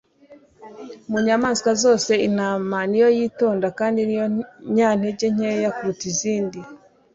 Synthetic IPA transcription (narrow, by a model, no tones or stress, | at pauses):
muɲamaːnzkazo̞ːse̞in̥aːmanijo̞jiːto̞ːndakaːndinijoɲaːn̥eɟeɲ̥ejakuːtiziːndi